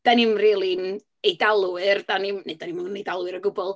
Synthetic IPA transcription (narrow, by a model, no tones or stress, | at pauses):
d̥anɪmriːlˠin | ejdalˠuɨrdanɪmnedanimʊnnejdalˠwɨɾəɡʊbɔlˠ